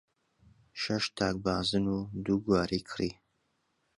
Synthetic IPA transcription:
ʃɐʃt̪ʰaːk̚baːzɨnuːd̪uɡwaːɾiːkʰri

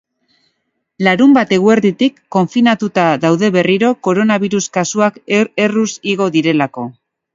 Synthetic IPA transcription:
laɾumbat̪e̞ɣue̞ɾðit̪ikːo̞ɱfinat̪ut̪aðawðe̞βe̞riɾo̞ko̞ɾo̞naβiɾuskasuake̞rusiɣ̞o̞ðiɾe̞lako̞

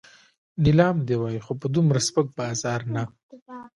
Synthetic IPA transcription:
nɪlɑːmd̪ewɑjixopəd̪umɾaspək̚bɑzɑːɾna

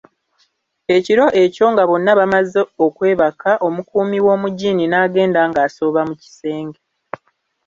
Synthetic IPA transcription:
e̞ciɾo̞ʔe̞co̞ŋɡaβo̞nːaβamazeo̞kwe̞ːβakʰaʔo̞mukuːmiwo̞ːmuɟiːninaːɡe̞ːndaːŋɡaːso̞ːβamuci̥se̞ːŋɡe

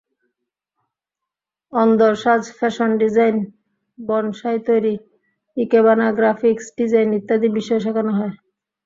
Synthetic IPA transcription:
ɔnd̪oɾʃad͡ʑfʰɛʃonɖid͡ʑajn | bɔnʃajt̪ojɾi | ikeβanaɡɾafʰiksɖid͡ʑajnit̪ːad̪ibiʃɔeʃ̬akanoɦɔe

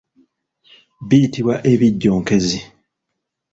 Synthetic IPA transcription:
bijitiβwaʔeβiɟːoːŋke̞zi

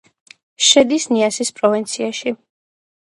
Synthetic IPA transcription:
ʃɛd̪isniasispʼɾɔvint̪sʰiaʃi

